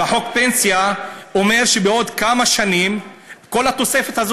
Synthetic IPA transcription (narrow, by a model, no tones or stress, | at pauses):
aħo̞kpe̞nsijao̞me̞ʁʃebeo̞d̪kamaʃanimko̞lhat̪o̞se̞fet̪haz